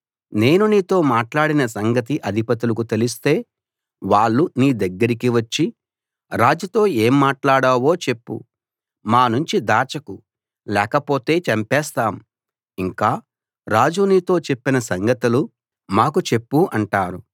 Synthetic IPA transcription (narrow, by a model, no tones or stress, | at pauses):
ne̞ːnuniːt̪o̞ːmaːʈlaːɽinɐsɐŋɡɐt̪iʔɐd̪ʱipɐt̪ulɐkut̪e̞lis̬t̪e̞ː | ʋaːɭːuniːd̪ɐɡːɐɾikiʋɐt͡ʃːi | ɾaːd͡ʒut̪o̞ːe̞ːmːaːʈlaːɽaːʋo̞ːt͡ʃe̞pːṵ | maːnuɲt͡ʃid̪aːt͡ʃɐku | lɛːkɐpo̞ːt̪e̞ːt͡ʃɐmpɛːst̪aːm | iŋkaː | ɾaːd͡ʒuniːt̪o̞ːt͡ʃe̞pːinɐsɐŋɡɐt̪ulu | maːkut͡ʃe̞pːuʔɐɳʈaːɾu